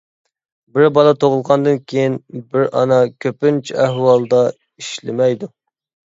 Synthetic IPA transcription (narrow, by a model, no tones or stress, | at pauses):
bɪɾbɑlˠɑt̪ʰoʁəlˠʁɑnd̪ɨnkʲʰejinbɪɾɑ̰nɑkʲʰøpɪnt͡ʃʰiæhwɑlˠd̪ɑ | iʃlɪ̰mɛjd̪u